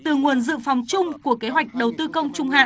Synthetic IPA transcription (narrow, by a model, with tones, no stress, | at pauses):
t̪ɨ˨˩ŋu˨˩ənzɨ̰˧˨fɔ˨˩wŋ͡mt͡ɕʊ˧ŋ͡mku˧˩əke˨˦ɦwa˨˩jk̟̚ɗə˨˩wt̪ɨ˧kə˧wŋ͡mt͡ɕʊ˧ŋ͡mɦa̰ː˧˨